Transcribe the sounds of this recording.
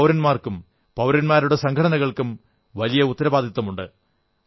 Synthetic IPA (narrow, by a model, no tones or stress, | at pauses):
wɾɐnmaːrkum | pɐwɾɐnmaːɾuɽe̞sɐŋkʰɐɽɐnɐɣɐɭkum | ʋɐlijɐut̪ːɐɾɐbaːd̪it̪ːɐmuɳɖɨ̰